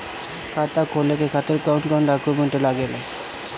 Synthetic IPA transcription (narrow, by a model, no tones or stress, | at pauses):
kʰat̪akʰolekekʰat̪eɾkawɳkaũɳɖakumeɳʈelaɡela